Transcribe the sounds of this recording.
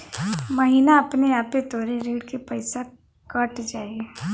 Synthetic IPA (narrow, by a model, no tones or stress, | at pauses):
mɐɦiːnaɐpneaːpet̪oːɾeɾeːɽkepɐɪsa | kɐʈd͡ʒaːie